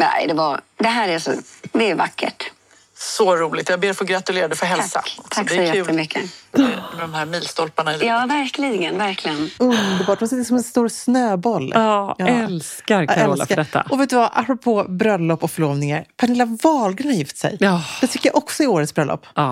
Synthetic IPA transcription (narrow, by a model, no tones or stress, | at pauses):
nɛ̰ɪd̪ɛvaɾd̪ɛɦæːɾɛsɔ̰d̪ɛːɾvakʰːə̰ʈ | sɔɾuːlɪɡt̪jɑːɡ̚beːɾfɔɡɾat̪ɵleːɾad̪ɛfœɾɦɛlsa̰t̪ʰakːsɛjɛʉːt̪ːəmʏkːə | mɛd̪ɔmhæɾmiːlst̪ɔlpaɳaɪljɑːvæɾklɪɡənvæɾkʰlɪɡənɵnd̪əɾbɑːʈɔmsɪt̪ːsɔmɛnst̪uːɾsnøːbɔlːɛlskaɾɛd̪ɛt̪ːa̰ʔɔveːt̪ːʉːvaʔa̰pɾɔpʰoːbɾœlːɔpːɔkfœɭoːvnɪŋaɾpʰanɪlːhavɑːlɡɾanaɾjɪft̪sɛ̰jd̪̥ɛt̪ʏkːəjaʔɔksɔɪoːɾət̪sbɾœlɔ̰pː